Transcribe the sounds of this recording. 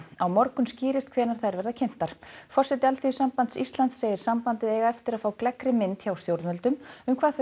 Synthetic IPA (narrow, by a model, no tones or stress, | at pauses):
awmɔɾkʏmsciːɾɪst̪̚kʰvɛːnaɾ̥θaðɾvɛɾðacʰejm̥t̪aɾ̥fɔr̥sɛt̪ɪalθiʏsampant̪sist̪lant̪seːjɪɾ̥sampant̪ɪðɛːjɣaɛft̪ɪɾaðfaːwklɛkɾɪmɪnt̪çawst̪jowɾt̪mœlt̪ʏmʏmkʰvaːðθ